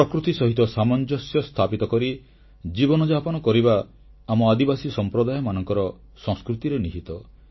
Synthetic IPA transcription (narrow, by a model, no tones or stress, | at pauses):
pɾɔkɾut̪isɔɦit̪ɔsamɔnd͡ʒɔsjɔst̪ʰapit̪ɔkɔɾi | d͡ʒibɔnɔd͡ʒapɔnɔkɔɾibaː | mɔad̪ibasisɔmpɾɔd̪ajɔmanɔŋkɔɾɔ | sɔ̃ŋskɾut̪iɾeniɦit̪ɔ